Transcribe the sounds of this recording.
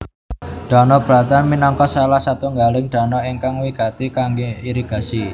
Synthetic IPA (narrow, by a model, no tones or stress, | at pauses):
ɖ̥a̤nɔb̥ɾat̪anminɔŋkɔsalahsat̪uŋɡalɪŋɖ̥a̤nɔiŋkaŋwikat̪ikaŋɡeiɾiɡ̥a̤si